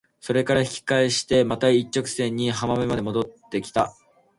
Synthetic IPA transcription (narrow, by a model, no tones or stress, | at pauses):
so̞ɾe̞kaɾaçi̥kʲi̥kaiɕi̥t̪e̞mat̪ait͡ɕːo̞kɯ̟̥sẽ̞ɲ̟ːiɦamamemad̪e̞mo̞d̪o̞t̪ːe̞kʲi̥t̪a